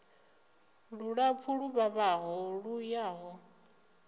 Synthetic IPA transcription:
ɺuɺap̪fʰuɺuβaβaɦɔɺujaːɦɔ

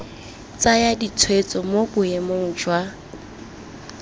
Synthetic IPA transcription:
t͡sʼajadit͡sʰwet͡sʼɔmobʊjemoŋ̩d͡ʒwa

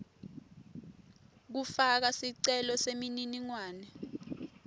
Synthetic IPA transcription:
k̬ufak̬asiǀɛlɔsemininiŋwaːnɛ

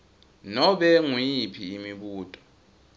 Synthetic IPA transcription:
nɔɓɛŋwipʰiːmiɓuːtʼɔ̥

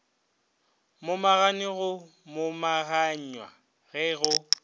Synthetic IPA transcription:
mʊmaɣanɪɣʊ | mʊmaɣaɲwa̰ | ɣɛɣʊ

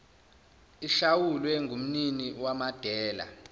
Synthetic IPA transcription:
iɬawulwɛŋʱum̩niniwamad̥ʱɛːla̰

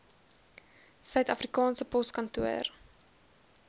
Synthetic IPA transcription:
sœɥtɐfrikɑːnsəpɔskɐntuər

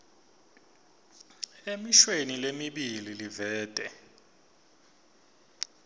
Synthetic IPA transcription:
emiʃwenilemiɓililivɛːd̥ʱʼɛ

